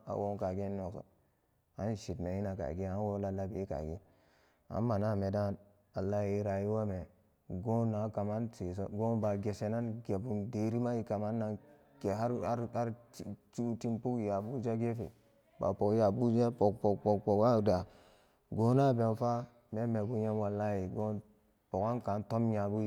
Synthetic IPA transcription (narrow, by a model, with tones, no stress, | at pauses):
a̰˨wo˦ŋ˦ka˨ɡe˦no˨so̰˨ | a˦nʃi˨tme˨i˦na˨ka̰˨ɡe˦a˦nwo˦la˦la˦bi˨i˦ka̰˨ɡi˦ | a̰˨˦nma˨na˦˨me˨da˦˨n | a˨lːa˦ji˦ɾa˨ji˦wa˦me˨ | ɡo˦nːa˨˦ka˨ma˦nte˨s̬o˦ɡo˦nba˨ɡe˨se˨na˦nɡe˨bu˨nde˨ɾi˦ma˦ji˨ka˨ma˦nːa˨ | ɡe˨a˦ɾa˦ɾt͡ʃu˦ti˦mpu˦kja˨bu˦d͡ʒa˦ɡe˦fḛ˨ | ba̰˨po˨kja˨bu˦d͡ʒa˦po˨k̚po˨k̚po˨k̚po˨ka˦˨da˨ | ɡo˨˦na˦be˨nfa˦ | me˦me˨bu˦ɲe˦nwa˨lːa˦ji˨ɡo˦n | po˨ka˦nka˨˦nto˦mɲa˨bu˦